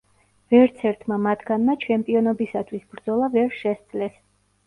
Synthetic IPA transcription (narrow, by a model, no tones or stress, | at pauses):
vɛɾt̪sʰɛɾt̪ʰmamat̪ʰɡanmat͡ʃʰɛmpʼiɔnɔbisat̪ʰwisbɾd̪zɔlˠavɛɾʃɛstd̪zlɛs